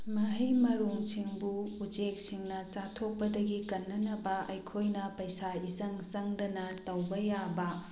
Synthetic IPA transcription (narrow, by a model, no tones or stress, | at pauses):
mɐɦijmɐɾoŋsiŋbuːd͡ʒek̚siŋnɐt͡ʃatʰok̚pɐdɐɡikɐnːɐnɐbɐɐjkʰojnɐpɐjsaizɐŋzɐŋdɐnɐtɐwbɐjabɐ